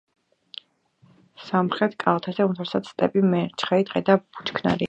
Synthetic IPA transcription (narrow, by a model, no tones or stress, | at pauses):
samχɾɛt̪ʰkʼalˠt̪ʰazɛumt̪ʰɛɾsat̪sst̪ʼɛpʼimɛɾt͡ʃʰχɛid̪ʁɛd̪ab̥ut͡ʃʰkʰna̰ɾi